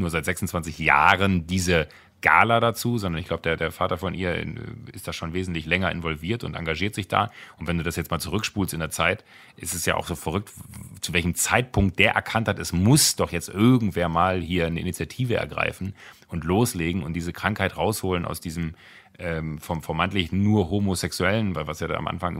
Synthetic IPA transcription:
nuːɐzaɪtz̥ɛksʊn̩t͡sv̥ant͡sɪçja̰ːʁəndiːzə | ɡ̥a̰ːlɐɾat͡suːzɔndɐnɪçɡ̥laʊbədeːɐdeːɐfaːtɐfɔnʔḭːɐ̰ɪ̰std̥aːʃoːnveːzn̩tlɪçlɛŋɐʔɪnvɔlviːɐtʊ̰nta̰ŋɡaʒiːɐtz̥ɪçd̥a̰ːʔʊntvɛnduːdasjɛt͡stmaːlt͡suʁ̞ʏkʃpuːlstɪndeːɐt͡saɪt | ʔɪstɛsja̰ːʔa̰ʊxz̥oːfɛʁ̞ʏk̚tt͡suvɛlçəm̩t͡saɪt̚pʰʊŋk̚t̚d̥eːɐʔɛ̰ɐkʰanthatɛsmʊsd̥ɔχjɛt͡stʔɪɐɡŋ̩tv̥eːɐmaːlhiːɐnəʔɪ̰nit͡sjatʰiːvəʔɛ̰ɐɡʁa̰ɪfn̩ʔʊntloːsleːɡŋ̩ʊnt̚d̥iːzəkʁ̥aŋkhaɪtʁaʊshoːlənʔa̰ʊsd̥iːzəm | ʔɛːmfɔfɛɐmaɪntlɪçnuːɐɦomosɛksuɛlənvaɪvasjaːda̰a̰mʔa̰nfaŋʔɪ

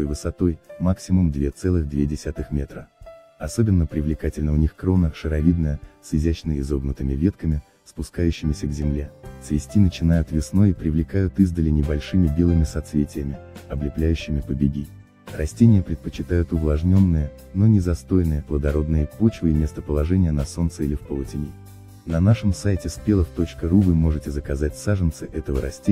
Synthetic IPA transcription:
ojvɨsɐt̪o̞jmaksʲɪmʊmd̪vʲe̞t̪sɛlˠɨɣd̪vʲedʲɪsʲat̪ɨxmʲe̞t̪ɾə | ɐso̞bʲɪnːəpɾʲɪvlʲɪkatʲɪlʲnəʊnʲixkɾo̞nəʂɨɾɐvʲid̪nəjəsɪzʲæt͡ɕnəɪzo̞bnət̪ɨmʲɪvʲe̞t̪kəmʲɪ | spʊskajʉɕːɪmʲɪsʲəɡzʲɪmlʲe̞svʲɪsʲtʲinət͡ɕɪnajʊt̪vʲɪsno̞jipɾʲɪvlʲɪkajʊt̪ɨzd̪əlʲɪnʲɪbɐlʲʂɨmʲɪbʲe̞lˠɨmʲɪsɐt̪svʲetʲɪjəmʲɪɐblʲɪplʲæjʉɕːɪmʲɪpəbʲɪɡʲi | rɐsʲtʲenʲɪjəpɾʲɪt̪̚pət͡ɕɪt̪ajʊt̪ʊvlˠɐʐnʲo̞nːɨjə | no̞nʲɪzɐst̪o̞jnɨjəplˠəd̪ɐɾo̞d̪nɨjəpo̞t͡ɕvɨimʲest̪əpəlˠɐʐɛnʲɪjənɐso̞nt̪sɨilʲɪfpəlˠətʲɪnʲi | nɐnaʂɨmsajtʲɪspʲelˠəft̪o̞t͡ɕkəɾuvɨmo̞ʐɨtʲɪzəkɐzatʲsaʐɨnt̪sɨʔɛt̪əvəɾɐsʲtʲe

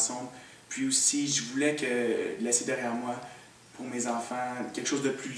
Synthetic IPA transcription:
sɑ̃b | pɥiusiʒəvulɛkəlɛsed̪ɛʁjɛːʁmwa | pʰʊʁmezɑ̃fɑ̃kʲɛlkəʃozd̪əply

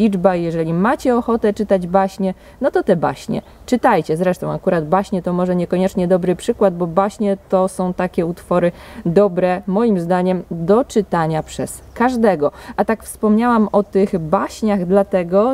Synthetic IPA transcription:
lʲid͡ʐbajɛʐɛlʲimat͡ɕɛɔxɔt̪ɛt͡ʂɘt̪ad͡ʑbaɕɲɛ | nɔt̪ɔt̪ɛba̰ɕɲɛ̰ | t͡ʂɘt̪ajt͡ɕɛzɾɛʂt̪ɔ̃w̃akuɾad̪baɕɲɛt̪ɔmɔʐɛɲɛkɔɲɛt͡ʂɲɛd̪ɔbɾɘpʂɘkwad̪̚bɔbaɕɲɛt̪ɔsɔ̃w̃t̪akʲɛut̪fɔɾɘd̪ɔbɾɛmɔjimzd̪aɲɛmd̪ɔt͡ʂɘt̪aɲapʂɛs | kaʐd̪ɛɡɔʔat̪akfspɔmɲawamɔt̪ɘɣbaɕɲaɣd̪lat̪ɛɡɔ

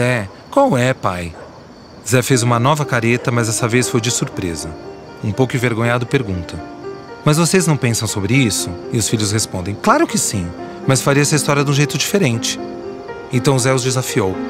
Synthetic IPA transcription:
ɛ | kõmʊɛpaj | zɛfezũmɐnɔvɐkaɾet̪ɐmɐzɛsɐvesfojd͡ʒɪsuɾpɾḛzɐ | ũpowkʊĩveɾɡõɲad̪ʊpeɾɡũnt̪ɐ̃mɐzvoseznɐ̃w̃pẽsɐ̃w̃sobɾɪisʊɪʊsfiʎʲjʊshespõnd̪ẽj̃klaɾʊkɪsĩ | mɐsfaɾiɐɛsɐist̪ɔɾiɐd̪ũʒejt̪ʊd͡ʒifeɾẽnt͡ʃɪ̥ | ẽt̪ɐ̃w̃zɛʊzd͡ʒɪzafiow

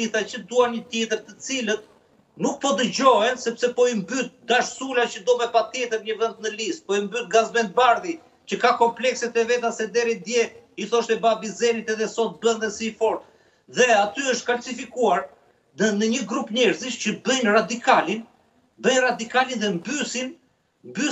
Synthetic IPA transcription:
it̪acəd̪uanɲət̪jɛt̪əɾt̪ət͡silət̪̚ | nuk̚pɔd̪əd͡ʑɔɦɛnsɛpsɛpɔimbyt̪̚d̪aʃsulacəd̪ɔmɛpat̪jɛt̪əɾɲəvənt̪̚nəlist̪̚pɔimbyt̪̚ɡazmɛnt̪̚baɾði | t͡ɕəkakɔmplɛksɛt̪ɛvɛt̪asɛd̪ɛɾid̪jɛiθɔʃt̪ɛbabizɛnit̪ɛðɛsɔt̪̚bənðɛsifɔɾt̪̚ | ðɛat̪yəʃt̪kalsifikuaɾ | ənəɲəɡɾupɲɛɾziʃcəbəjnrad̪ikalin | bəjnrad̪ikalinðɛmbysin | mby

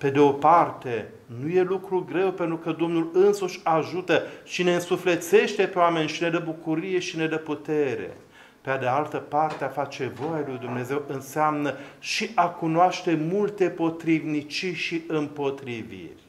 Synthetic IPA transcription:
pe̞d̪eo̞part̪e̞ | nuje̞lukɾuɡɾe̞wpe̞nt̪ɾukəd̪o̞mnulɨnsuʃʲaʒut̪əʃine̞ɨnsufle̞t̪se̞ʃt̪e̞peoame̞nʲʃine̞d̪əbukuɾije̞ʃine̞d̪əput̪e̞ɾe̞̰ | pead̪ealt̪əpart̪eafat͡ʃe̞vo̞jalujd̪umne̞ze̞wɨnseamnəʃiʔakunoaʃt̪e̞mult̪e̞po̞t̪ɾivnit͡ʃiʃiɨmpo̞t̪ɾivḭrʲ

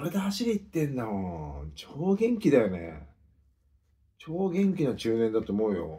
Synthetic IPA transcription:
oɾed̪ahaɕiɾʲiit̪ːẽ̞nd̪aot͡ɕoːɡẽ̞ŋkʲid̪ajo̞nḛ | t͡ɕo̞ːɡʲẽ̞ŋkʲinat͡ɕɨːnẽ̞nd̪at̪o̞ːmo̞ɯjo̞̰

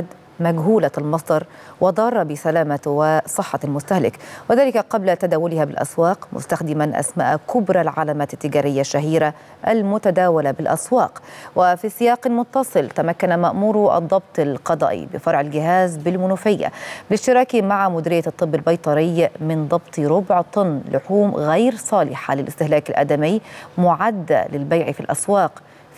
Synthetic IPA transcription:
d̪ | maɡɦuːlalmɑsˤd̪ˤɑɾˤ | wʔɑd̪ˤɑːrˤːɑbɪsalaːmawɪsˤɨħːɑlmʊst̪ahlɪkwɪðaːlɪkaqɑblat̪ad̪aːwʊlɪhabɪlʔa̰swɑːqmʊ̰st̪axd̪ɪmanʔa̰sma̰ːʔkʊbɾˤalʕalaːmaːt̪ɪt̪ːɪɡaːɾɪjːaʃːaɦiːɾa | ʔalmʊt̪ad̪aːwalabɪlʔa̰swɑːqwɪfisɪjɑːqɪlmʊt̪ːɑsˤɨlt̪amakːanamaʔmuːɾʔɑ̰d̪ˤːɑb̚t̪ˤɑlqɑd̪ˤɑ̰ːʔḭbɪ̰fɑɾˤʕɪlɡɪɦaːzbɪlmʊnʊfɪjːa̰blɪʃt̪ɪɾˤɑːkimaʕamʊd̪ɪɾɪjːat̪ˤːɨbːɪlbɑjt̪ˤɑɾɪjmɪnd̪ˤɑbt̪ˤɾʊbʕt̪ˤʊnːlʊħuːmɣajɾsˤɑːlɪħa̰lɪlʔɪst̪ɪhlaːkɪlʔa̰d̪amɪjːmʊʕad̪ːa̰lɪlbajʕifilʔa̰swɑːq

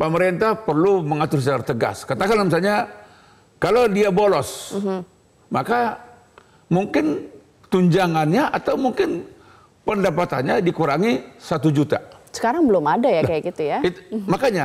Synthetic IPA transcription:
pəməɾent̪ahpərluməŋat̪ʊrs̬ət͡ʃaɾat̪əɡa̰skat̪akanamsalɲa | kalodiabolɔs | maka | muŋkɪn | t̪uɲd͡ʒaŋanɲaʔat̪awmuŋkɪn | pəndapat̪a̰nɲadikuɾaŋisat̪ud͡ʒut̪a̰sə̥kaɾaŋbəlʊmadajakajakɡit̪ujait̪makaɲa

